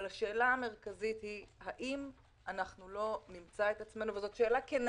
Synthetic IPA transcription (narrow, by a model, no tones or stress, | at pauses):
laʃe̞ːlaːme̞ʁkazit̪hihaʔim | anaχnulo̞nimt͡saet̪at͡sme̞nuvezo̞tʃe̞ːlaken